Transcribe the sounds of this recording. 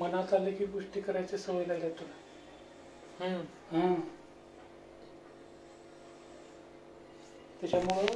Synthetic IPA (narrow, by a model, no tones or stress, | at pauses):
mənat̪alekiːɡuʂʈiːkəɾajt͡sesəʋəjlad̪et̪ona | ɦ | ɦã | t̪jat͡ɕjamoɭ